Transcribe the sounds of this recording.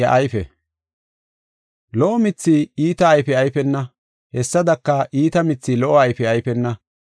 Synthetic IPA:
ɐʔɐjfɛ̰ | lɔʔɔmɪt͡sːiːiːt̪ɐːjfɛɐjfɛnːɐ | hɛsːɐd̪ɐkːɐʔiːt̪ɐmɪt͡sːiːlɔʔɔɐjfɛɐjfɛnːɐ

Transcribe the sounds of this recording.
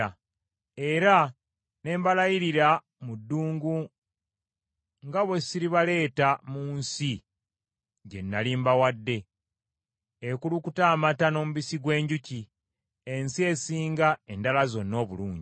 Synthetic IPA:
e̞ɾa | ne̞ːmbalajiɾiɾa | mudːuːŋɡu | ŋɡaβwesiɾiβale̞ːtamuːnsi | ɟe̞̰nːalimbawadːe̞ | ekulukutaːmatano̞ːmuβisiɡwe̞ːɲɟuci | e̞nsie̞siːŋɡae̞ndalazo̞nːo̞ːβuluːɲɟi

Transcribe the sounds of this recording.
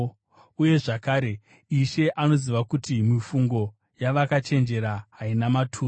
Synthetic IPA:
uje̞ʐakaːɾe | iʃe̞ʔano̞ziʋakutimifuŋɡo̞ | jaʋakat͡ʃe̞nd͡ʒe̞ɾaɦainamatʰuː

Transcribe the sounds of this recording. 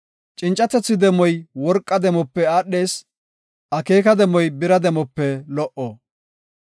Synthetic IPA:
t͡ʃʼɪnt͡ʃʼːɐt̪ɛt͡sːɪd̪ɛmɔjwɔɾkʼːɐd̪ɛmɔpːɛaːɗːe̞ːs | ʔɐke̞ːkɐd̪ɛmɔjbɪɾɐd̪ɛmɔpːɛlɔʔɔ

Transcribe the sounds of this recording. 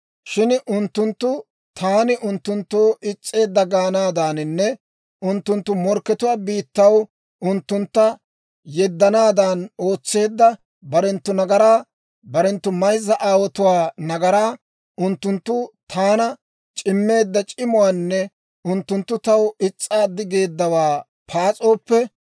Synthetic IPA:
ʃɪnʊnt̪ːʊnt̪ːʊ | t̪ʰaːnɪʔʊnt̪ːʊnt̪ːoːɪt͡sʼːe̞ːd̪ːɐɡaːnaːd̪aːnɪnːɛ | ʔʊnt̪ːʊnt̪ːʊmɔɾkːɛt̪ʊwaːbiːt̪ːɐw | ʊnt̪ːʊnt̪ːɐ | jɛd̪ːɐnaːd̪aːno̞ːt͡sːe̞ːd̪ːɐ | bɐɾɛnt̪ːʊnɐɡɐɾaː | bɐɾɛnt̪ːʊmɐjzːɐʔaːwɔt̪ʊwaːnɐɡɐɾaː | ʔʊnt̪ːʊnt̪ːʊt̪ʰaːnɐ | t͡ʃʼɪmːe̞ːd̪ːɐt͡ʃʼɪmʊwanːɛ | ʊnt̪ːʊnt̪ːʊt̪ɐwɪt͡sʼːaːd̪ɪɡe̞ːd̪ːɐwaː | pʰaːt͡sʼo̞ːpːɛ

